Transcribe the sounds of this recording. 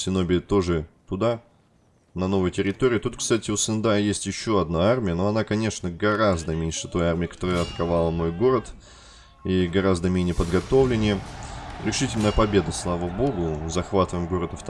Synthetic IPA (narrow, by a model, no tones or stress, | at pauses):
sʲɪno̞bʲɪt̪o̞ʐɨt̪ʊd̪a | nɐno̞vəjtʲɪɾʲɪt̪o̞ɾʲɪːt̪ut̪kst̪atʲɪʊsɨnd̪ajesʲtʲjɪɕːo̞ɐd̪naarmʲɪjənoɐnakɐnʲe̞ʂnəɡɐɾazd̪əmʲenʲʂɨt̪o̞jarmʲɪɪkɐ̥t̪o̞ɾəjɐt̪ə̥kɐvalˠəmo̞jɡo̞ɾət̪ | iɡɐɾazd̪əmʲenʲɪjəpəd̪ɡɐt̪o̞vlʲɪnʲɪjəɾʲɪʂɨtʲɪlʲnəjəpɐbʲe̞d̪əslˠavəbo̞ɡʊzɐxvat̪əvəjɪmɡo̞ɾəd̪əft̪